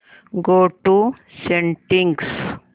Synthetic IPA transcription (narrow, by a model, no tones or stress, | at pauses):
ɡoːʈu | sẽɳʈĩŋɡs